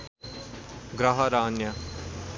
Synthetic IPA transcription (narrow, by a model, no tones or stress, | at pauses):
ɡɾaɦɐɾaːnjɐ